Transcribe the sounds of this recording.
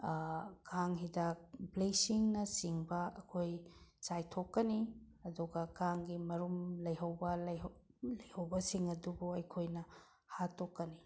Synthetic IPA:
kʰaŋɦidablesiŋnɐsiŋbɐɐkʰojsajtʰokːɐni | ɐduɡɐkaŋɡimɐɾumlɐjɦɐwbɐllɐjhɐwbɐsiŋɐdubuɐjkʰojnɐ | hatʰokːɐni

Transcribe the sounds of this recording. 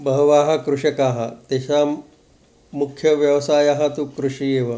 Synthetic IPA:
bɐɦɐʋaːɦɐkɾuʂɐkaːɦɐt̪eɕa | mukʰjɐʋjɐʋsaːjaɦɐt̪ukɾuʂieːʋɐ

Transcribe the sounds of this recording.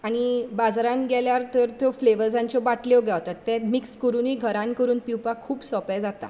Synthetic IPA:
aɽ̃ibad͡zɾãnɡɛljaɾt̪əɾt̪ʰjofleʋəɾd͡zãɲt͡ɕɔbaʈljɔɡʱjɛʋt̪at̪ːɛ̃mikskəɾuniːɡʱəɾãnkəɾuːnpiwpakʰuːpsɔpɛd͡zat̪a̰

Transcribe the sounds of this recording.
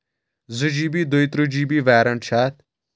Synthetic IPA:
zɨd͡ʒiːbid̪oit̪ɾud͡ʒiːbiːʋɛːɾɐɳt͡ʃʰaːt̪̚

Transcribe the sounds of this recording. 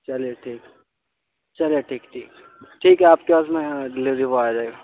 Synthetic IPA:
t͡ʃɐlijeʈʰiːk | t͡ʃɐlijeʈʰiːkʈʰiːk | ʈʰiːkɦɛaːpkepaːs̬mẽɖɪlɪʋɾibaːjad͡ʒaeːɡaː

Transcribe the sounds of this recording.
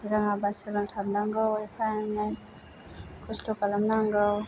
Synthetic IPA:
ɾaŋabasuɾaŋtʰab̚naŋɡawjpʰanaj | kʰɔstɔkalamnaŋɡaw

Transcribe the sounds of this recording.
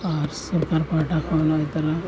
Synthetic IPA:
aɾsuɾkaɾpaʈakʰanat̪ɐɾa

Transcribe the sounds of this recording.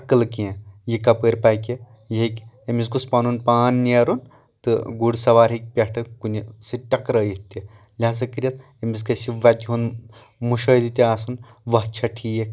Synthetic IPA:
ɐkːɐlkiẽjikɐpəːɾpajkʲe | jiɦikʲ | emis̬kuspɐnunpaːnːiɐɾun | t̪ɨɡuɽsɐʋaːɾɦik̚ʲpʲɐʈʰɐkunʲsiʈɐkɾɐjit̪ːi | lʲas̬ɐkiɾʲjɐt̪ | emis̬kɐsiʋɐt̪iɦun | muʃɐːd̪it̪ʲiaːsɐn | ʋɐt͡ʃʰɐʈʰijekʲ

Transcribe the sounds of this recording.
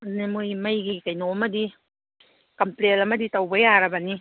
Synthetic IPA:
nɯmɯjmajɡikajnomɐdi | kɐmplelɐmɐditawbajaɾabani

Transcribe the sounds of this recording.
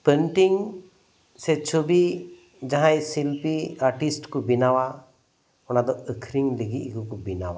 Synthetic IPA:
pənʈiŋ | sɛt͡ʃʰobi | d͡ʒaɦãjsilpiaɾʈisʈkubinawa | ɔnad̪ɔəkʰɾiŋliɡiʔkukubinawa

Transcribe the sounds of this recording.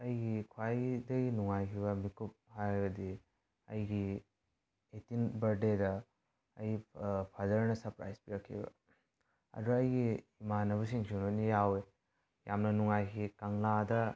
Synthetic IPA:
ɐjɡikʰwajdɐɡinuŋajkʰiβɐmikup̚hajɡɐdi | ɐ̰jɡi | etinbɐɾdedɐ | ɐjipʰadɐɾnɐsɐɾpɾa̰jspiɾakʰḭbɐ̰ | ɐ̰duɐjɡiːmanɐβusiŋsʰunonijawe | ja̰mnɐnuŋajkʰikaŋladɐ

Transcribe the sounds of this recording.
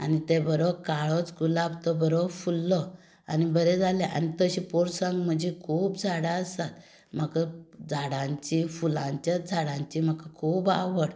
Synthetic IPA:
a̰nit̪ebəɾɔkaɭɔt͡sɡulabt̪ɔbəɾɔfulːɔ | a̰nibəɾɛd͡zʱalɛʔa̰nit̪əɕipɔɾsãŋɡm̤əd͡ʑikʰuːpd͡zʱaɽaəst̪at̪ | m̤əkad͡zʱaɽãɲt͡ɕifulãɲt͡ɕjad͡zʱaɽãɲt͡ɕiməkakʰuːba̰ʋəɽ

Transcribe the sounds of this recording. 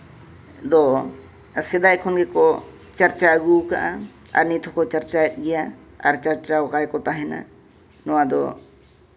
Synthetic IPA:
d̪ɔ | sɛd̪ajkʰɔnɡɛkɔ | t͡ʃaɾt͡ʃaɡuka̰ʔaa̰ɾnit̪ʰɔkɔt͡ʃaɾt͡ʃaɛt̪̚ˀɡɛja | a̰ɾt͡ʃaɾt͡ʃaɔkajkɔt̪aɦɛna̰ | nɔwad̪ɔ̰

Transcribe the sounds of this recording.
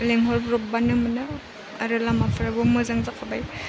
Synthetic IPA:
leŋɦɔɾbɾɔp̚banɯmɯnɯ | aɾɯlamapʰaɾabɯmɯzaŋzakʰabaj

